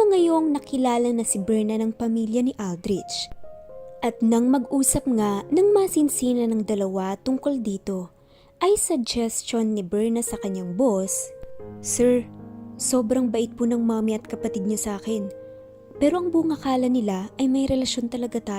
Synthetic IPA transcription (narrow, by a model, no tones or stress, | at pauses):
oŋɐjo̞ŋnɐkɪlaːlɐnɐsɪbɛɹnɐnɐŋpɐmiljɐnɪʔald̪ɾɪt͡ʃ | ʔɐt̪nɐŋmɐɡʔuːsɐp̚ŋanɐŋmasɪnsiːnɐnɐŋd̪ɐlɐwat̪ʊŋko̞ld̪iːt̪o̞ | ʔɐjsɐɡ̚d͡ʒɛst͡ʃonːɪbɛɹnɐsɐkɐɲːaŋbo̞sː | ɛɹso̞ːbɾɐŋbɐʔɪt̪̚pʊnɐŋmamɪɐt̪̚kɐpɐt̪ɪd̪̚ɲosʔaːkɛn | pɛːɾo̞ʔɐŋbuŋɐkaːlɐnɪlaʔɐjmɐjɾɛlɐʃo̞nt̪ɐlɐɡat̪aːj